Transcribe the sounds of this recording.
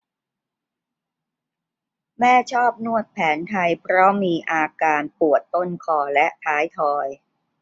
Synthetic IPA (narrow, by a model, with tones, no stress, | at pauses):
mɛː˥˩t͡ɕʰɔː˥˩p̚nu˥˩ət̪̚pʰɛː˩˦nt̪ʰa˧jpʰɾɔ˦˥miː˧ʔaː˧kaː˧npu˨˩ət̪ːo˥˩nkʰɔː˧˩lɛ˦˥ʔt̪ʰaː˦˥jt̪ʰɔː˧j